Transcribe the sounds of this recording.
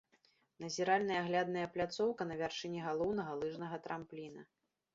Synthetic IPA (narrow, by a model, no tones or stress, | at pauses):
nɐzʲɛɾalʲnɐjɐaɣlʲad̪nɐjɐplʲat̪sɔwkɐnɐvʲarʂɨnʲiɣalˠɔwnɐɣɐlˠɨʐnɐɣɐt̪ɾamplʲinɐ